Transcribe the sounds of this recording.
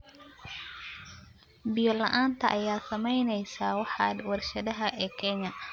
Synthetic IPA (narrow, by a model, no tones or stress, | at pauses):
bɪjɔlɐʔaːnt̪ʰɐʔɐjaːsɐmɛjnɛjsaːwɑħɑ̰d̪wɑrʃɐðɐɦɐʔɛːkʰɛɲɐ